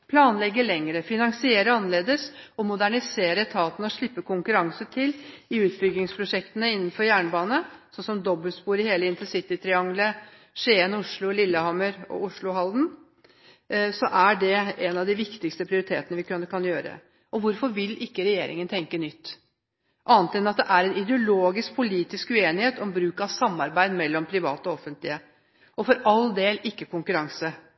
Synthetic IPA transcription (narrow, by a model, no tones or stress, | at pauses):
pʰlɑːnlɛɡːəɭɛŋɾəfɪnɑŋsɪeːɾəɑnːəleːd̪əsɔmʊd̪æɳɪseːɾət̪ʰɑːt̪nəɔʂɭɪpːəkʊŋkʉɾɑŋsət̪ʰɪlɪʉːt̪bʏɡlɪŋspʰɾʊʂɛkt̪ənəɪnːən̩fɔɾjæːɳbɑːnəsɔnsɔmd̪ɔbːəlspuːɾɪheːləɪnt̪əsɪt̪ɪt̪ʰɾɪɑŋlə | ʂeːənʊʂɭʊlɪlːəhɑməɾɔ̰ʊʂɭʊɦɑld̪n̩ | sɔʔæɖɛɛnɑʋd̪ɪʋɪkt̪ɪkst̪əpʰɾɪʊɾɪt̪ʰḛːt̪ənəʋɪkʉnːəkʰɑnjøːɾə̰ | ɔʋʊɾfɔɾʋɪlʔɪkːəɾɛjḛːɾɪ̰ŋənt̪ʰɛŋkənʏt̪ː | ʔɑːnt̪id̪nɑt̪̚d̪ɛʔæɾɛnɪd̪ɛʊloːɡɪsk̚pʰʊliːt̪ɪskʉeːnɪheːt̪ɔmbɾʉːkɑʋsɑmːɑɾbæɪd̪mɛlːɔmpʰɾɪʋɑ̰ːt̪ɔɔfːənt̪lɪə | ɔfɔɾɑld̪eːlɪkːəkʊŋkʉɾɑŋsə